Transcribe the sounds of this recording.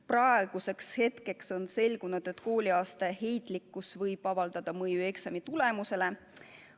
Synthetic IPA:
prɑeɡ̥use̞kshe̞t̪ke̞kso̞nse̞lɡ̥unud̪̥e̞t̪ːˑko̞ːlʲiɑːst̪ehe̞jt̪ˑlikːˑusvɤjb̥ɑvɑld̪̥ɑd̪̥ɑmɤjue̞ksɑmit̪ule̞muse̞le̞

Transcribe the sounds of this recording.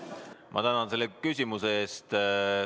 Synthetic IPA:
mʔɑ̰t̪ænɑnse̞lːekys̬ʲimuseeːst̪

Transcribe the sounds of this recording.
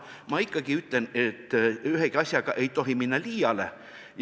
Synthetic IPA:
mɑikːɑɡ̥iyt̪lenet̪ːyɦeɡ̥iɑsʲjɑɡ̥ɑʔe̞jt̪o̞ɦiminːɑliːjɑle | j

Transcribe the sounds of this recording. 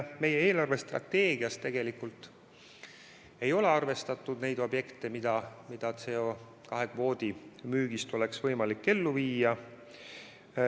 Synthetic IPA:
me̞jeeːlɑrve̞st̪rɑ̰t̪ːe̞ːɡ̥iɑst̪ːe̞ɡ̥e̞likult̪ːˑ | e̞jo̞le̞ɑrve̞st̪ɑt̪ːˑud̪ne̞jd̪̥o̞bje̞kt̪e̞mid̪̥ɑmid̪̥ɑt̪se̞o̞ | kɑɦe̞ɡ̥vo̞ːd̪̥imyːɡ̥ist̪o̞le̞ksvɤjmɑlikːe̞lːuviːjɑ

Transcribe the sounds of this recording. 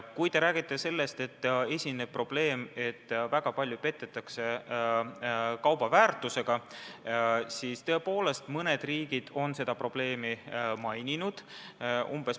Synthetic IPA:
kujt̪e̞ɾæːɡ̥it̪ːe̞se̞lːe̞st̪e̞t̪ːe̞sʲinːeb̥̚pːro̞b̥le̞ːme̞t̪ːvæɡ̥ɑpɑlʲjupe̞t̪ːˑet̪ːˑɑkse̞ | kɑwb̥ɑvæːrt̪ˑuse̞ɡ̥ɑ | siːst̪ø̞epo̞ːle̞st̪mɤne̞d̪̥riːɡ̥id̪̥o̞nse̞d̪ɑpro̞b̥le̞ːmimɑjninud̪̥umb̥e̞s

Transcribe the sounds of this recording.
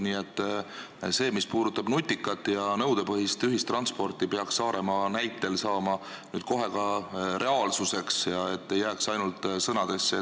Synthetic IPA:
niːe̞t̪ː | se̞ːmispuːd̪̥ut̪ːˑɑbnut̪ʲːˑikːˑɑt̪ːˑjɑnɤwd̪̥e̞pɤɦist̪yɦist̪rɑnspo̞rt̪ˑipeɑksːɑːɾe̞mɑnæjt̪ːˑe̞lsɑːmɑ | nyːd̪̥ko̞ɦe̞kɑɾʔe̞ɑːlsuse̞ksjɑe̞t̪ːe̞jːæːksɑjnult̪ˑsɤnɑd̪e̞sːe

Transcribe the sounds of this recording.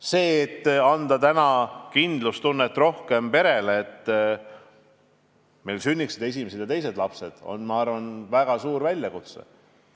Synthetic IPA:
se̞ːt̪ːɑnd̪̥ɑt̪ænɑkind̪̥lust̪unːet̪ːˑro̞hke̞mpe̞ɾe̞leːt̪ː | me̞jlsynʲːiksid̪̥e̞s̬ʲimese̥jɑt̪e̞js̬e̞d̪lɑpse̞d̪̥o̞̰nmɑɑrvɑnvæɡ̥ɑsuːɾvælʲjɑkut̪sḛ

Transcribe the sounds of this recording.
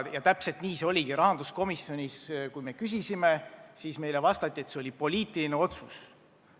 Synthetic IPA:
jɑt̪æpse̞lt̪niːseo̞lʲiɡ̥iɾɑɦɑnd̪̥usko̞misːjo̞nʲiskujme̞kysisimesiːsme̞jlevɑst̪ɑt̪ʲːˑie̞t̪se̞o̞lʲipo̞liːt̪ːˑiline̞o̞t̪sus

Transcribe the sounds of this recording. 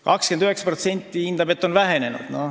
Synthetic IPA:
kɑkskend̪yɦeksɑ̥pro̞t̪se̞nʲt̪ːiind̪ɑbe̞t̪ːo̞nvæɦe̞ne̞nṵd̪̥no

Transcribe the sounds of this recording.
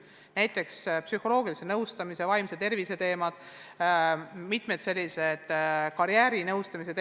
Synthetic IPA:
næjt̪ːˑe̞kspsyho̞lo̞ːɡ̥ilise̞nɤwst̪ɑmise̞vɑjmset̪e̞rvise̞t̪e̞ːmɑd̪̥ | mit̪ˑmet̪se̞lʲːise̞d̪̥kɑɾjæːɾinɤwst̪ɑmis̬e̞t̪

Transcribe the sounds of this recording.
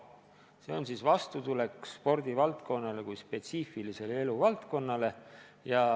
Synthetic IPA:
se̞o̞nsiːsvɑst̪ut̪ule̞kspo̞rd̪̥ivɑlt̪ko̞nːɑle̞kujspe̞t̪siːfilise̞leeluvɑlt̪ko̞nːɑle̞jɑ

